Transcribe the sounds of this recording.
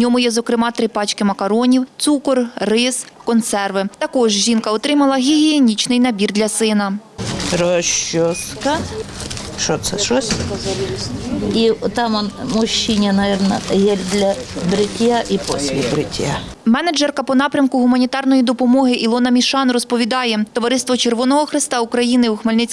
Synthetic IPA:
nʲɔmʊjɛzɔkɾɪmɑt̪ɾɪpɑt͡ʃkɪmɐkɐɾɔnʲiwt̪sukɔrrɪskɔnt̪sɛrʋɪt̪ɐkɔʒʒʲinkɐɔt̪ɾɪmɐlˠɐɦʲiɦʲienʲit͡ʃnɪjnɐbʲird̪lʲɐsɪnɐɾɔʃɔskɐ | ʃɔt̪sɛʃɔsʲ | it̪ɑmɔnmʊɕːinʲɪnɐʋʲɛrnɐ̰jɛlʲd̪lʲɐ | bɾɪtʲjaʔipɔ̰sʲlʲɪbɾɪtʲja̰ | mɛnɐd͡ʒɛrkɐpɔnɑpɾʲɐmkʊɦʊmɐnʲit̪ɑrnɔjid̪ɔpɔmɔɦɪʔilˠɔnɐmʲiʃɑnrɔspɔʋʲid̪ɑjɛt̪ɔʋɐɾɪst̪ʋɔt͡ʃerʋɔnɔɦɔxɾɪst̪ɑukɾɐjinɪwuxmɐlʲnɪt͡sʲ

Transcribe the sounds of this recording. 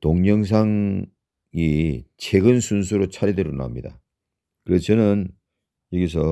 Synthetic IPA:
toŋɲʌŋs̬ʰaŋ | it͡ɕʰeɡɯnsʰuns̬ʰuɾot͡ɕʰaɾideɾona̰mɲida̰ | kɯɾet͡ɕʰʌnɯn | jʌɡisʰʌ

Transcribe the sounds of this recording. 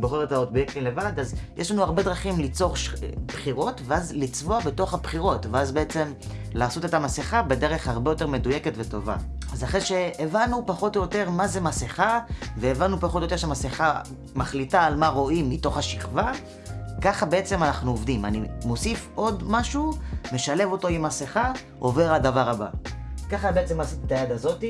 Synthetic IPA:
boχeʁetaotbjektimle̞vadazjeʃlanuaʁbe̞dʁaχimlit͡so̞ʁʃpχiʁo̞tveazlit͡svoabe̞to̞χhapχiʁo̞tveazbe̞et͡se̞m | laːso̞tetamaseχabe̞deʁe̞χhaʁbe̞jo̞te̞ʁme̞duje̞ketveto̞va̰azaχeʃe̞ːvanupaχo̞tojote̞ʁmazemaseχave̞ːvanːupaχotojote̞ʃeamaseχa | maχlitaːlmaʁo̞ʔimːito̞χhaʃiχva | kaχabe̞e̞t͡se̞manaχnuovdima̰nimo̞sifʔo̞dmaʃume̞ʃale̞vo̞to̞imaseχa | o̞ve̞ʁadavaʁaba̰kaχabeet͡se̞maːsit̪et̪ajad̪azo̞ti

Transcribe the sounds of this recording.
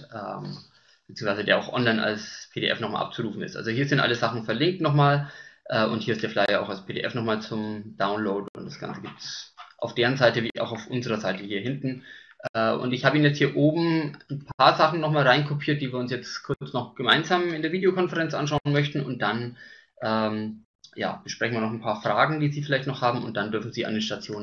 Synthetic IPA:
ʔɛ̰ːm | b̥t͡siːʊŋsv̥aɪzədeːɐʔa̰ʊxʔɔ̰nlaɪna̰lspʰeːɾḛʔɛ̰fnɔχma̰lʔa̰p̚t͡suʁuːfn̩ɪstʔa̰lzohiːɐzɪntʔa̰ləzaχn̩fɛɐlɪŋk̚tnɔχmaːlʔɛːʔʊ̰nthiːɐɪstd̥eːɐflaɪɐa̰ʊxalspʰedḛːʔɛ̰fnɔχmaːlt͡sʊmd̥aʊnloʊtʊntd̥asɡ̥a̰nt͡səɡiːp̚tsʔa̰ʊfd̥eːʁənzaɪtəvḭːʔa̰ʊxaʊfʔʊnzəʁɐzaɪtəhiːɐɦɪntn̩ʔɛːʔʊ̰ntɪçhaːbəiːnjɛt͡sthiːɐʔoːbm̩n̩pʰaːɐzaχn̩nɔχmaːlʁaɪnkʰopʰiːɐt̚d̥iːviːɐʊnsjɛt͡skʰʊɐt͡snɔχɡ̥əmaɪnzaːmɪndeːɐviːdeokʰɔnfəʁɛnt͡sʔa̰nʃ̬aʊnmœçtn̩ʊ̰nt̚d̥an | ʔɛːm | ja̰ːb̥əʃpʁ̥ɛçn̩viːɐnɔχnpʰaːɐfʁ̥aːɡŋ̩d̥iːziːfɪlaɪçtnɔχhaːbm̩ʊ̰nt̚d̥andʏɐfn̩ziːʔa̰ndeːnʃtat͡sjoːn

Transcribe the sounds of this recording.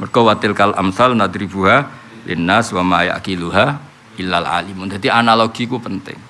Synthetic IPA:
mərkowat̪ɪlkalʔa̰msalnad̪ɾibuɦa | lɪ̰nːaswamaja̰ʔkiluɦa | ilala̰limund̪at̪iʔanaloɡ̥ikupənt̪ɪ̰ŋ

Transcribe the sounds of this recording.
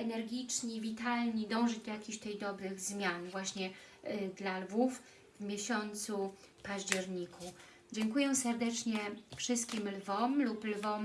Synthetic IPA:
ɛnɛɾɡʲit͡ʂɲivʲit̪alɲid̪ɔ̃w̃ʐɛd͡ʑd̪ɔjakʲiɕdt̪ɛjd̪ɔbɾɘɣzmʲjanvwaɕɲɛ | d̪lalvuf | vmʲjɛɕɔnt̪su | paʑd͡ʑɛɾɲikʰu | d͡ʑɛŋkujɛsɛɾd̪ɛt͡ʂɲɛfʂɘst̪̚kʲimlvɔmluplvɔm

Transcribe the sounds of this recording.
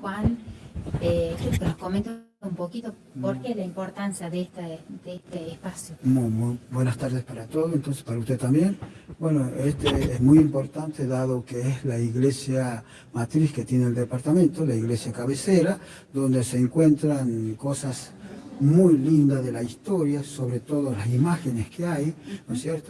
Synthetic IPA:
kwal | ekeokeloskoment̪ | umpokit̪o | poɾkelaimpo̞ɾt̪ansjaðeest̪ad̪eest̪eːspasjomujmujbwe̞nast̪aɾðespaɾat̪o̞ðoent̪o̞nsespaɾaust̪et̪ːambje̞nbwe̞noest̪eezmujimpo̞ɾt̪ant̪eðaðokeezlaiɣle̞sja | mat̪ɾisket̪je̞neːld̪epaɾt̪amẽ̞nt̪olaiɣle̞sjakaβeseɾa | d̪o̞nd̪eseːŋkwe̞nt̪ɾaŋko̞sas | mujlind̪aðe̞laist̪o̞ɾjaso̞βɾet̪o̞ðolasimaxeneskeajnosjeɾt̪o

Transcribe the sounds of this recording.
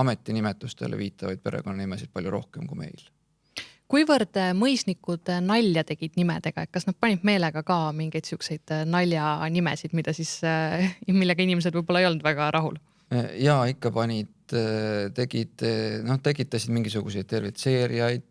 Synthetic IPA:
ɑme̞t̪ˑːinimet̪ːˑust̪e̞̰lʔḛviːt̪ːˑɑvɑ̰jd̪̚pe̞ɾḛɡo̞nːɑnimesid̪̚pɑljuɾo̞̰hkemkṵme̞̰jl | kujvɤrd̪̥mɤjsnikːˑud̪̥nɑlʲːjɑt̪e̞ɡ̥id̪̥nimḛd̪̥e̞ɡ̥ɑe̞tk̚kːɑsnɑd̪̚pɑnʲid̪̥me̞ːle̞ɡ̥ɑkɑːmiŋɡ̥e̞jd̪t̪sukse̞jd̪̥nɑlʲjɑnimḛsid̪̥mid̪̥ɑsis | milːeɡ̥ɑinʲime̞s̬ed̪vɯjbo̞lɑejo̞nd̪̥væɡ̥ɑɾʔɑɦul | jɑikːɑpɑnʲid̪t̪e̞ɡid̪̥no̞t̪e̞kːˑit̪ːˑɑsid̪̥miŋɡ̥isuɡ̥usejd̪̥̚t̪e̞rvit̪se̞ːɾiɑjd̪̥̚

